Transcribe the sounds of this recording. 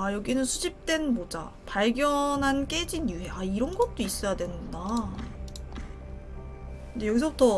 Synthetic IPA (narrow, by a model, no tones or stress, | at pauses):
ajʌɡinɯnsʰud͡ʑip̚t͈we̞nmod͡ʑa̰ | paɭɡjʌnɦank͈e̞d͡ʑinjuɦe̞aiɾʌnɡʌt̚t͈ois͈ʌjadwenɯnɡda | kɯnde̞jʌɡisʰʌbutʰʌ